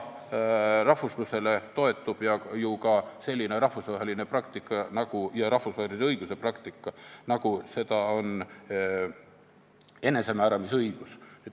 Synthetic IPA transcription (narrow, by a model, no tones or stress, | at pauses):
rɑhvusluse̞le̞t̪o̞e̞t̪ːˑub̥jɑjukɑse̞lʲːineɾɑhfusvɑɦe̞line̞prɑkt̪ikːˑɑnɑɡ̥ujɑɾɑhfusvɑːheliseɤiɡ̥use̞prɑkt̪ikːɑnɑɡ̥use̞d̪ɑo̞n | e̞ne̞se̞mæːɾɑmisɤiɡ̥usne